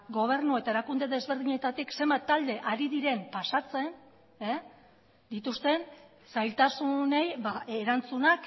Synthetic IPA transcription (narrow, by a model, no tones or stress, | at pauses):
ɡo̞β̞e̞ɾnue̞t̪ae̞ɾakund̪e̞ðe̞zβe̞ɾð̞iɲe̞t̪at̪ikse̞mbat̪ːald̪e̞ʔaɾiðiɾe̞mpasat͡se̞n | e | d̪it̪ust̪e̞n | sajlt̪asune̞jβaeɾant͡sunak